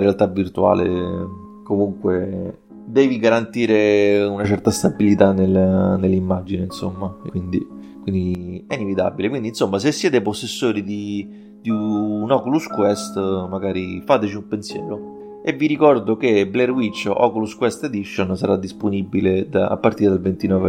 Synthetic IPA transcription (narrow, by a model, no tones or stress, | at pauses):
ɾealt̪avːirt̪ua̰ːlḛ | komuŋkwe | d̪ɛːviɡaɾant̪iːɾeunat͡ʃɛrt̪ast̪abilit̪anːelnːelːimːad͡ʒineinso̰mːakwind̪i | kwind̪iɛinevit̪a̰bilekwind̪insomːas̬esːjɛːt̪eposːesːoːɾid̪i | d̪̥iunɔkuluskwɛst̪maɡaːɾifaːt̪et͡ʃiumpensjɛ̰ːɾo | evːiɾikɔrd̪ok̟eblɛrwit͡ʃːɔ̰kuluskwɛst̪ed̪iʃːonsaɾad̪ːisponibːiled̪a̰a̰pːaɾrt̪iːɾed̪alvent̪inɔːve